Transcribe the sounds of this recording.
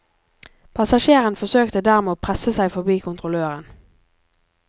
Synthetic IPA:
pʰɑsɑʃeːʁənfɔsøːkt̪əd̪æːʁmeːoːpʰʁɛsəsæɪfɔbiːkʰʊnt̪ʁʊløːʁən

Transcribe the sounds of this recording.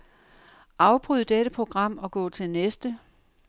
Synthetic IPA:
ʔɑ̈ʊb̥ʁyð̰ˠd̥eɾ̥əpʰʁo̝ɡ̥ʁɑ̈m̰ɒ̽ɡ̥ɔ̰̽ːt͡sʰe̝lnesd̥ə

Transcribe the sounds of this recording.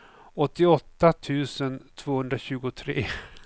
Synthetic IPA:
ɔt̪ːɪɔt̪ːat̪ʰʉ̟ːsənt̪ʰv̥oːhɵnd̪ɾaɕʉ̟ːɡʊt̪ʰɾḛː

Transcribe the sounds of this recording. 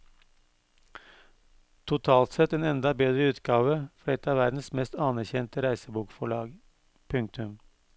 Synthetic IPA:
t̪ʰʊt̪ʰɑːlt̪sɛt̪eːnɛnd̪ɑbeːd̪ɾəʉːt̪ɡɑːʋəfɔɖɛt̪ːɑːʋæɾd̪n̩smɛst̪ɑnæɾçɛnt̪əɾæɪsəbuːkfɔɭɑːɡ | pʰʉŋk̚t̪ʉm

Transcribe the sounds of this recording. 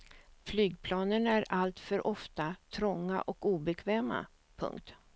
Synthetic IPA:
flyːɡpʰlɑːnənæɾalt̪fœɾʔɔft̪at̪ʰɾɔŋːa̰ʔɔkuːbɛkʰvɛːma̰ | pʰɵ̰ŋk̚t̪

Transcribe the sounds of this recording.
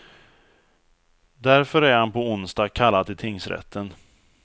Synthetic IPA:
d̪æɾfœɾæɾhanpʰɔʊnst̪aːkʰalːad̪ɪt̪ʰɪŋsɾɛ̰t̪ʰːən

